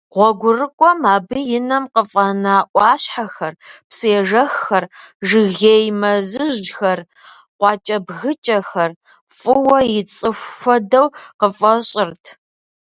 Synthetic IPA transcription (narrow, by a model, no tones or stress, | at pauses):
ʁʷɔɡʷʊrɨkʷʼɔmaːbɨjɪnɐmqəfʼɐnaːʔʷʼɑːɕħaxɐrpseːʐɐxːɐrʒɨɣeːjmɐzɨʑd͡ʒxɐr | qʷɑːt͡ʃʼɐbɣɨt͡ʃʼɐxɐr | fʼɨwɐjɪt͡sʼɨʃːʷɔdɐwqəfʼɐɕʼɪrtʰ